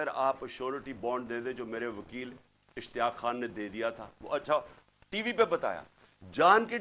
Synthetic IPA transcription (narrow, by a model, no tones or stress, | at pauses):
əɾaːpʃoːɾʈibɔːɳɖd̪ẽːd̪ẽd͡ʒoːmeːɾeʋəkiːl | ɪʃt̪ɪjaːkxaːnːed̪eːd̪ijat̪ʰaːʋo̰ːɐtːʃʰa | ʈiːʋipebɐt̪a̰ːja̰ː | d͡ʒaːnke